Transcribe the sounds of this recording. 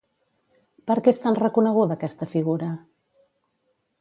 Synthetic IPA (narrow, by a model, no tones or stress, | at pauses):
pəɾkɛst̪anrəkunəɣ̞uðəkɛst̪əfiɣ̞uɾə